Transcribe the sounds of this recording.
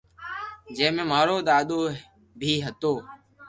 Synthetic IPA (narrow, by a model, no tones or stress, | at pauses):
d͡ʒẽːmẽːmaːɾoːd̪aːɗ̪oː | bʱiːɦət̪oː